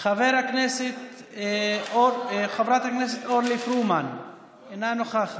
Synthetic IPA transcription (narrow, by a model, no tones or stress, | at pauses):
χaveɾhakneset̪ | oχavɾat̪hakneset̪oɾlifɾuman | enanoχaχ